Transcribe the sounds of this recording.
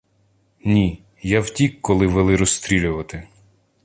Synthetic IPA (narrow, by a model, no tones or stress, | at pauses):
nʲi | jawtʲikːɔlˠɪʋelˠɪɾɔst̪ɾʲilʲʊʋɐt̪ɪ